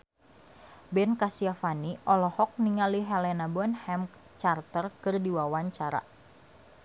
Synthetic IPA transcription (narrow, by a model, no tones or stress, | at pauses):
bɛnkasiafaniʔɔlɔhɔk̚niŋaliɦɛlɛnabɔnhɛm | t͡ʃart̪ərkɨrdiwawaɲt͡ʃaɾa̰